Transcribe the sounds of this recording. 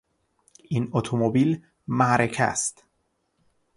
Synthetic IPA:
ʔinot̪ʰomobiːl | mæɾekʰæ̰st̪

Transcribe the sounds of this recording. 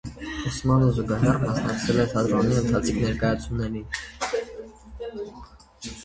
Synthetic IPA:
usmɑnuzuɡɑɦɛrmɑsnɑk̚t͡sʰɛlɛt̪ʰɑd̪ɾɔniənt̪ʰɑt͡sʰikʰnɛɾkɑjɑt͡sʰjunːɛɾin

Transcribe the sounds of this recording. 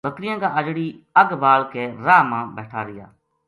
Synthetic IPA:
bəkɾɪjãːkaːʔəd͡ʒɽiː | əɡbaːlkeːɾaːmãːbɛːʈʰaːɾɪja̰ː

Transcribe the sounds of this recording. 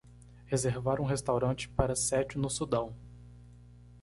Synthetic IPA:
hezeɾvaɾũɦest̪awɾɐ̃t͡ʃɪ̥paɾɐsɛt͡ʃʊnʊsud̪ɐ̃w̃

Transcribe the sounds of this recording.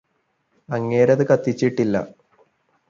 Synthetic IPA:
ɐŋːeːɾɐðɨkɐt̪ːit͡ɕːiʈːilːɐ̰

